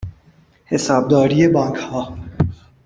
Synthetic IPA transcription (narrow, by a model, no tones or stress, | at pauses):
hesɑːb̚d̪ɒːɾijebɒːŋkʰhɒː